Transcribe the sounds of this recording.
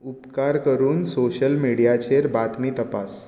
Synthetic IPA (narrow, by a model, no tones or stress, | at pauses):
upkaɾkəɾuːnsoɕəlmiɽijat͡ɕeɾbat̪mit̪əpas